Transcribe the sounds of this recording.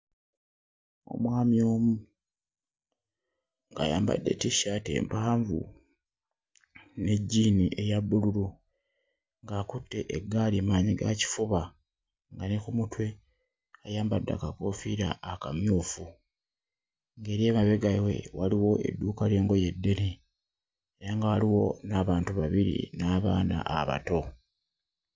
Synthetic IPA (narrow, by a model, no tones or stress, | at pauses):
o̞̰mwaːmjo̞ːmu | ŋɡa̰ja̰ːmba̰dːe̞̰tiʃatḛːmpaːɱvṵ | ne̞ɟːiːniʔe̞jaβːululu | ŋɡaːkutːe̞ʔeɡalimaːɲiɡaci̥fuβa | ŋɡanekumutwe̞ | ajaːmbadːa̰kakofiɾa̰ːkamjuːfu | ŋɡe̞ːɾje̞ːmaβe̞ɡawe̞̰waliwo̞ʔe̞̰dːuːkale̞ːŋɡo̞je̞dːe̞ne | eɾaŋɡawaliwo̞naːβaːntuβaβiɾḭnaːβa̰ːna̰ʔaβa̰to̞